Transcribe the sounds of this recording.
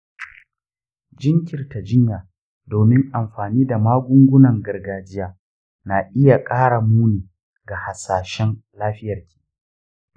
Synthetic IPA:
d͡ʒɪ˦ŋkʲɪ˨rta˨d͡ʒɪ˦ɲjaː˨ | doː˨mɪ˦ŋʔa˨mɸaː˨niː˦da˨maː˦ɡʷʊ˦ŋɡʷʊ˦nɐ˨ŋɡɐ˨rɡaː˨d͡ʒɪ˦jaː˨ | na˨ʔɪ˦ja˨kʼaː˦ɽa˨muː˦niː˨ | ɡa˨ha˨saː˨ʃɛ˦nlaː˦ɸɪ˦jɐ˨rkʲʰi̥ː˦

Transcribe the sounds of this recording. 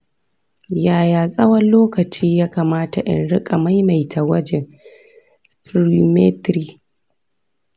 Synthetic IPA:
jaː˨jaː˨sʼɐ˦wɐ˦nloː˦kɐ˨t͡ʃiː˦jaː˦kaː˨maː˦ta˨ʔɪ̰˨nɽɪ˦kʼa˨ma˦jma˨jtʰa˨wɐ˦d͡ʒɛ˨ | spɾi˦me˦tɾiː˦

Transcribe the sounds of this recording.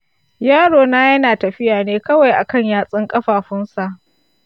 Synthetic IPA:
jaː˦ɽoː˨naː˦jɐ˦naː˨tɐ˨ɸɪ˦jaː˨neː˦kɐ˦wa˨jʔa˨kɐ˦˨ɲjaː˦sʼɪ˦ŋkʼɐ˦ɸaː˨ɸʊ˦nsa˨ʔ

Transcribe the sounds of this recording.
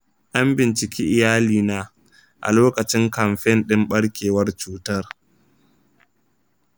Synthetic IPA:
ʔa˦mbɪ˨nt͡ʃɪ˨kʲʰiː˦ʔɪ˨jaː˦liː˨naː˦ | ʔa̰˨loː˦kɐ˨t͡ʃɪ˦ŋkɐ˨mɸɛ˦nɗɪ˦mɓɐ˦ɽkʲeː˨wɐ˦rt͡ʃuː˦tɐ˦r

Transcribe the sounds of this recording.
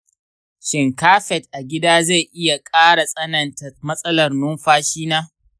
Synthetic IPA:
ʃɪ˨ŋkaː˦ɸɛ˨tʔa˨ɡʲɪ˦daː˦za˦˨jʔɪ˦ja˨kʼaː˦ɽa˨sʼɐ˦nɐ˨nta˨mɐ˦sʼɐ˦lɐ˨rnʊ˦mɸaː˦ʃiː˦naː˦

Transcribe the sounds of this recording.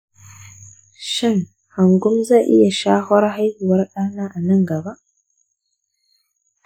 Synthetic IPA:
ʃɪ˦˨ŋ | ha˨ŋɡʊ˦mzaː˦˨ʔɪ˦ja˨ʃaː˦hɔ˦ɾɦa˦jhu˨wɐ˦rɗaː˦naː˦ʔa˨nɐ˦ŋɡa˨ba˦ʔ

